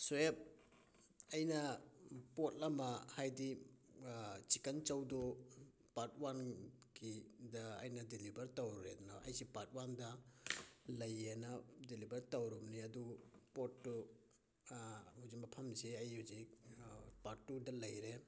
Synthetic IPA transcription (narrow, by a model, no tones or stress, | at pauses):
suep̚ | ɐjnɐpot̚lɐmɐhajdi | t͡ʃikɐnt͡ʃɐwdo | pat̚wanɡidɐːjnɐdilibɐɾtɐwɾɾḛdnoʔɐ̰jsipat̚wandɐ | lɐjenɐdilibɐɾtɐwɾumniɐdupotːu | huzik̚mɐpʰɐmziɐjhuzikpaɾtːudɐlɐjɾe